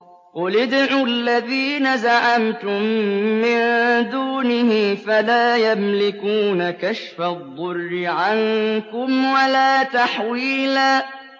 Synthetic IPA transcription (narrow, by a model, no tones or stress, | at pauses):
qʊlɪd̪ʕʊlːaðiːnazaʕamt̪ʊmːɪnd̪uːnɪhɪfalaːjamlɪkuːnakaʃfaðˤːʊrːɪʕankʊmwalaːt̪aħwiːlaː